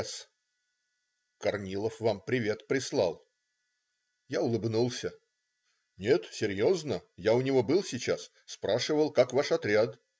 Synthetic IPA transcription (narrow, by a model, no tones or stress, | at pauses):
s | kɐrnʲilˠəfvampɾʲɪvʲe̞t̪pɾʲɪslˠɑ̰lˠ | jaʊlˠɨbnulˠsʲə | nʲe̞t̪sʲɪɾʲjo̞znəjaʊnʲɪvo̞bɨlˠsʲɪt͡ɕas | spɾaʂɨvəlˠkakvaʂɐt̪ɾʲat̪